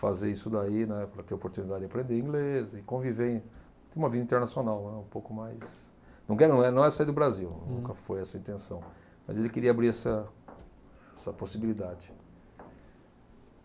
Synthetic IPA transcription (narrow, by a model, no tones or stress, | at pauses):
fazeisʊd̪ainɛpɾɐt̪eɾopoɾt̪unid̪ad͡ʒɪd͡ʒɪapɾẽnd̪eɾĩɡlezɪkõvivẽ | t̪ẽj̃umɐvid̪ɐĩt̪eɾnasionawnɛ̃ũpowkʊmajs | nɐ̃w̃kɛɾñɛnɐ̃w̃ɛsaiɾd̪ʊbɾaziwnũkɐfojɛsɐĩt̪ẽsɐ̃w̃ | mɐ̰zelɪkeɾiɐabɾiɾɛsɐ | ɛsɐposibilid̪ad͡ʒɪ